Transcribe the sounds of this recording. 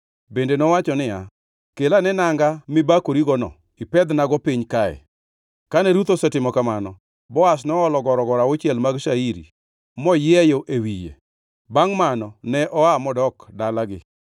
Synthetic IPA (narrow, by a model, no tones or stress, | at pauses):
bendenɔwat͡ʃɔnɪja | kelanɛnaŋɡamɪbakoɾiɡɔnɔ̰ | ɪpɛd̪naɡɔpiɲkaɛ̰ | kanɛɾut̪ɔsɛtɪmɔkamanɔ | bɔas̬nɔɔlɔɡɔɾɔɡɔɾaot͡ʃɛlmaɡʃaiɾḭ | mɔjɪɛjoʔewijḛ | baŋmanɔnɛʔɔamɔdɔkdalaɡɪ̰